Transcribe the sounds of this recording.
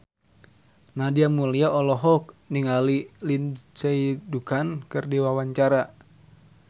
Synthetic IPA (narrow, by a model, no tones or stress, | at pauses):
nadiamuliaʔɔlɔɦɔk̚niŋalilint͡ʃeidukankɨrdiwawaɲt͡ʃaɾa